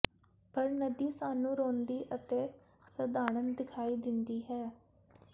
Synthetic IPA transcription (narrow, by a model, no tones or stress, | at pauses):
pəɾnəd̪iːsaːnũːɾoːnd̪iːʔət̪eː | səd̪aːɽənd̪ɪkʰaːiːd̪ɪnd̪iːɦɛː